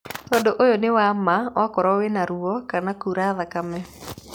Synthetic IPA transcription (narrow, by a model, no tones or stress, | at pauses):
t̪ɔndoʔojonewamawakɔɾɔwenaɾuɔkanakuɾaðakamɛ